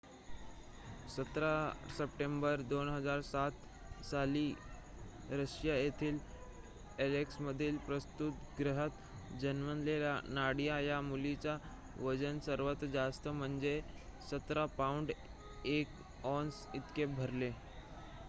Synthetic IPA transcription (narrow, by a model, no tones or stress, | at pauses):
sət̪ɾasəpʈembəɾd̪onɦəd͡zaɾsat̪ | saliː | ɾəɕjajet̪ʰiːl | eleksməd̪ʱːiːlpɾəst̪ut̪ɡɾəɦət̪ | d͡ʑənʋənlelja̰naɽijajamulit͡ɕa | ʋəd͡zənsəɾʋət̪d͡zast̪əm̤əɳd͡zesət̪ɾapauɳɖ | ek | ɔns | it̪kebʱəɾle